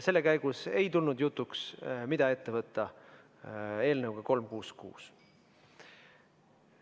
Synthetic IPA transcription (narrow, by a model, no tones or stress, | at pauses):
se̞lːe̞kæjɡ̥use̞jt̪ulnud̪jut̪ˑːuksmid̪̥ɑe̞t̪ːe̞vɤt̪ːˑɑ | e̞ːlnɤwɡ̥ɑko̞lmkuːskṵːs